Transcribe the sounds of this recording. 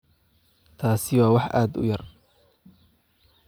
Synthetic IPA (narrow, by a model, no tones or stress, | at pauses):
t̪ʰaːsɪwɑːwɑħʔa̰ːd̪ʊ̰jɐr